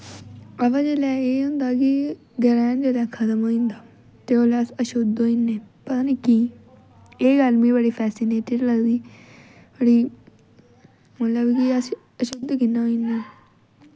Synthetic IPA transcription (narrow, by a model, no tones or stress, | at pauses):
əʋad͡ʒeːlɛːeːɦʊ̃nd̪aːkɪ | ɡəɾɛːnd͡ʒeːlɛːkʰət̪əmɦoːĩːnd̪aː | t̪eːoːlɛːəsəʃʊd̪oːĩnːeːpət̪aːneːkiː | eːɡəlmĩːbəɽiːpʰɛːsɪneːʈɪɖləɡd̪iː | b̥əɽiː | mət̪ləbkɪəs | əʃod̪kɪnːaːɦoːĩnd̪aː